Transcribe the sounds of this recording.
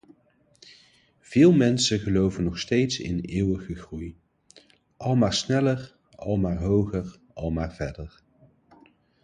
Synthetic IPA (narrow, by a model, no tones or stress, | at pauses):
v̥ɪːlˠmɛnsəχəlowvənɔχstejtsɪ̰neːwəχəχruj | ʔɑlˠmaːɹsnɛlər | ɑ̰lˠmaːɹɦowχər | ɑlˠmaːɹvɛɹdəɹ